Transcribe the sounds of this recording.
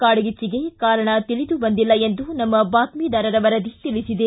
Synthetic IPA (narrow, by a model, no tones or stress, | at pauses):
kaːɽɐɡit͡ʃːiɡe̞kaːɾɐɳɐt̪ilid̪ubɐnd̪ilːɐend̪unɐmːɐbaːt̪miːd̪ɐɾɐɾɐʋɐɾɐd̪it̪ilisid̪e